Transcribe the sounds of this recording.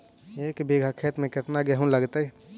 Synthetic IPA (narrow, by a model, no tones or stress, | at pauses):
eːkbeːɡʱakʰeːt̪mẽkɪt̪naɡɛɦũləɡt̪aɦɛ